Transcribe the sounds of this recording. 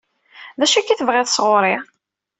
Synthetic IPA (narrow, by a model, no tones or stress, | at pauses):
ðæʃækːiθəvʁɪðˤəsʁoɾˤɪ